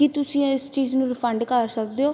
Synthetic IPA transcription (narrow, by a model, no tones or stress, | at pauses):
kit̪ʊsĩːɪst͡ʃiːznũːɾɪpʰəɳɖkəɾsək̚d̪eoː